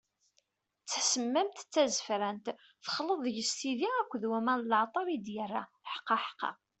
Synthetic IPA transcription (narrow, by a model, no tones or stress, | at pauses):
t͡sːsəmːæmt̪t͡sːæzəfɾænt̪ | θə̥χləðˤjəst̪iðiækʷːðwæmænlʕt̪ˤɑɾˤid̪jərːæħə̥qːɑħə̥qːɑ̰